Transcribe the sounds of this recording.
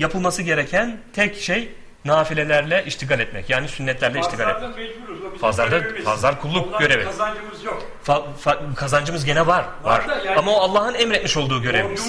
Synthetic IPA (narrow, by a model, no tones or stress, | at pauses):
japʰɯlˠmasɯɟe̞ɾɛcʰænt̪ʰɛcʃej | naːfilʲe̞lʲæɾlʲɛʔiʃt̪ʰiɡaːlʲɛt̪mɛ̰cjaːnisynːɛt̪lʲæɾlʲɛiʃt̪ʰiɡalʲɛ̰t̪mcfazlaɾd̪afazlˠaɾkʰulˠːukɟø̞ɾevi̥ | fa | fakʰazand͡ʒɯmɯzɟe̞nɛvaɾva̰ɾ̥amaoalˠːaːhɯnɛmɾɛt̪miʃo̞lˠd̪uːɟø̞ɾevimiz̥